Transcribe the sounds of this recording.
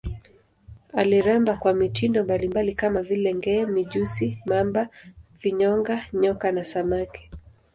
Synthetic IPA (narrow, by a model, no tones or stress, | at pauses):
aliɾambakwamitindɔmbalimbalikamavilɛŋɡɛmiʄusimambaviɲɔŋɡaɲɔkanasamakɛ̥